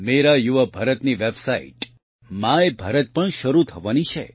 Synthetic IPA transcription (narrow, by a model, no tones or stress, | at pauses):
meɾajuʋabʱəɾət̪niʋebsaḭʈ | mãebʱəɾət̪̚pəɳʃəɾut̪ʰəʋanit͡ʃʰḛ